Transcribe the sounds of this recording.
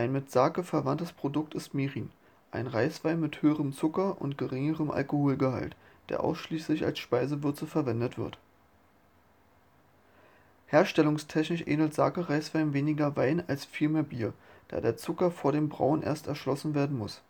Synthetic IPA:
ʔaɪnmɪtz̥aːkəfɛɐvantəspʁ̥odʊk̚tɪstmeːʁiːn | ʔa̰ɪnʁaɪsv̥aɪnmɪthøːəʁəmt͡sʊkɐʔʊ̰ntɡ̥əʁɪŋəʁəmʔa̰lkohoːlɡəha̰ltd̥ḛɐʔa̰ʊsʃliːslɪça̰lsʃpaɪzəvʏɐt͡səfɛɐvɛndətv̥ɪ̰ɐt | heːɐʃtɛlʊŋstʰɛçnɪçʔḛːdl̩tz̥a̰ːkəʁaɪsv̥aɪnveːnɪɡɐvaɪnalsfiːlmeːɐbiːɐd̥a̰ːdeːɐt͡sʊkɐfoːɐɾeːmbʁa̰ʊnʔḛːɐstɛɐʃlɔsn̩veːɐdn̩mʊs

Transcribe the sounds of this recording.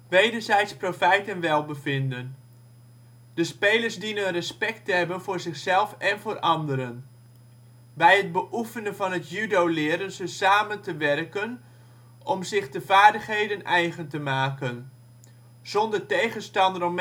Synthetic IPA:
ʋejdəɹzɛjtsprofɛjtənʋɛlˠbəvɪndən | d̥əspejləɹsdinənrəspɛk̚təɦɛbənvʊːrzɪχsɛlˠfɛnvʊːrʔɑndəɾən | bɛjɦəd̚bəʔufənəvɑnɦətjydowlɪːəɾənzəsaːməntəʋɛrkən | ʔɔmzɪχdəvaːɹdəχɦejdənʔɛjχəntəmaːkən | z̥ɔndəɹtejχənstɑndərɔm

